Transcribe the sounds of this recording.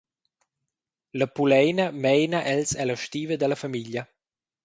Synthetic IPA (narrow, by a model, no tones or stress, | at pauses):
ləpulɛjnəmɛjnaʔɛlsɛləʃt̪iːvəd̪əlɐfamiʎjɐ